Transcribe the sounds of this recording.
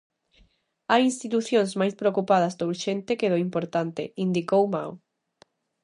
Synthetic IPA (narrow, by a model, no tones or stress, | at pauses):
ajinst̪it̪uθjõnzmajspɾeokupað̞ɐzd̪ouɾʃent̪ekeðoimpoɾt̪ant̪ɪind̪ikowma̰w